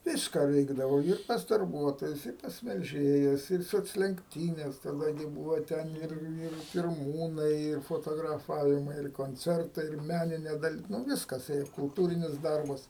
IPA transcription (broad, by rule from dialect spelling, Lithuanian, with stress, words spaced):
ˈʋʲiːskɐ ˈʋʲɛɪɡdɐʋɐʊ ɪr pɐs dɐrˈbuɔtoːjʊs ɪr ˈpɐs mʲɛlʲˈʒʲeːjɛs ˈɪr soːt͡sʲlʲɛŋkˈtʲiːnʲɛs tɐˈdɐ ɡʲɪ ˈbʊʋoː ˈtʲɛn ˈɪr ˈɪr pʲɪrˈmuːnɐɪ ɪr foːˌtoːɡrɐˈfɑːʋʲɪmɐɪ ɪr koːnʲˈt͡sʲɛrtɐɪ ɪr ˈmʲænʲɪnʲeː dɐˈlʲɪ nʊ ˈʋʲɪskɐs ˈeːjɛ kʊlˠˈtuːrʲɪnʲɪs ˈdɐrbɐs